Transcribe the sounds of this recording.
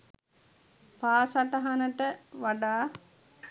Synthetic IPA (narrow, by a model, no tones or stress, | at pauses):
paːsaʈəɦanəʈəʋaɖaː